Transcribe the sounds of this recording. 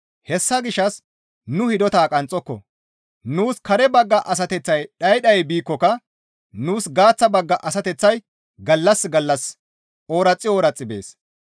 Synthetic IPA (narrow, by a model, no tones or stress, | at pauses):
hɛsːɐɡɪʃɐs | nʊhɪd̪ɔt̪aːkʼɐnt͡sʼːɔkːɔ̰ | nuːskɐɾɛbɐɡːɐʔɐs̬ɐt̪ɛt͡sːɐjɗɐjɗɐjbiːkːɔkɐ | nuːsɡaːt͡sːɐbɐɡːɐʔɐsɐt̪ɛt͡sːɐj | ɡɐlːɐsɡɐlːɐs | oːɾɐt͡sʼːɪoːɾɐt͡sʼːɪbḛːs